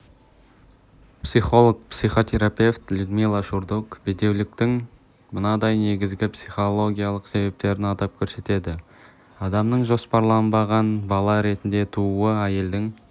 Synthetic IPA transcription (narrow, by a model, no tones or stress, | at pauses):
psijχo̞lˠok̚psijχo̞t̪ʰʲe̞ɾapʲe̞ft̪lʲud̪milˠaʃuɾd̪ukbed̪e̞wlɪk̚t̪ɪŋ | mʊnɑd̪ɑjne̞ɡʲɪzɡʲɪpsijχo̞lˠo̞ɡʲijɑlˠəqse̞be̞p̚t̪e̞ɾɪnɑt̪ɑp̚kʲʰɵɾse̞t̪e̞d̪ɪ | ɑd̪ɑmnəɴʒo̞spɑɾlˠɑnbɑʁɑnbɑlˠɑɾe̞t̪ɪnd̪e̞t̪ʰuuəæje̞ld̪ɪŋ